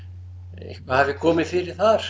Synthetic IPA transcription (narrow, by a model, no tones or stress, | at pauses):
ḛhkvaðhavɪkʰɔːmɪðfɪɾɪɾ̥θaɾ̥